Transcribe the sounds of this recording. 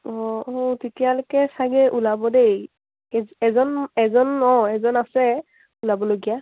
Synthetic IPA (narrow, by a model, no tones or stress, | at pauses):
ɔ̃ɔtitijalokɛsaɡɛʔulabɔdej | ɛɛzɔnɛzɔnɔ̃ɛzɔnasɛ | ulabɔloɡija